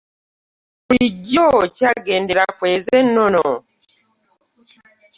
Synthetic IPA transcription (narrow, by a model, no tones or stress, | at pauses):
uɾiɟɔt͡ʃaɡɛndɛɾakwɛzɛnɔnɔ